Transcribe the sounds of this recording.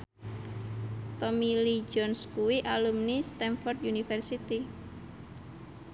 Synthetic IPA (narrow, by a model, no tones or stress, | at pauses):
t̪ɔmilid͡ʒɔnskuwiʔalumnist̪ɛnfɔrt̪junifɛrsit̪i